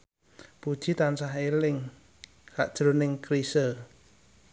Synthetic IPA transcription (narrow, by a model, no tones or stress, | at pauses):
pud̥ʒ̥i̤t̪ansaɦelɪŋ | kaʔd̥ʒ̥ɾonɪŋkɾisə